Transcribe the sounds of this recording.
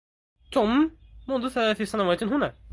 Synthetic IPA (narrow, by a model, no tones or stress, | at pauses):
t̪ʊmmʊnðʊθælaːθisænawaːt̪ɪnɦʊnæː